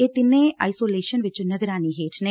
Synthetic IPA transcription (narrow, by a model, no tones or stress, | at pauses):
eːt̪ɪnẽːa̰ːisoːleːʃənʋɪt͡ʃnəɡɾaːniːɦeːʈʰne